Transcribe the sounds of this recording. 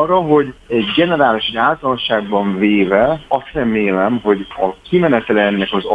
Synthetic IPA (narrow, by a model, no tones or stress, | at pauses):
rːɒɦo̞ɟɛɟɡɛnɛɾaːliʃɛɟaːlt̪ɒlɒʃaːɡbɒɱveːvɛɒst̪rɛmeːlɛmɦo̞ɟɒkimɛnɛt̪ɛlɛnːɛkɒzɒ